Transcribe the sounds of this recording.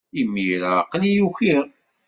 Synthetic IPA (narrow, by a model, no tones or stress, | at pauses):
imːijɾaqːlijuçiʁ